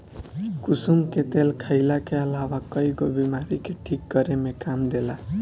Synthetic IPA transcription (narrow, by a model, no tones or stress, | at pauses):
kusumket̪elkʰajlakeʌlawakʌjɡobimaɾikeʈʰik̚ɡʌɾemekamd̪ela